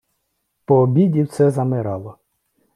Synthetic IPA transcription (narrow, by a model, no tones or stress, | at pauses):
pɔːbʲidʲiwt̪sɛzɐmɪɾɑlˠɔ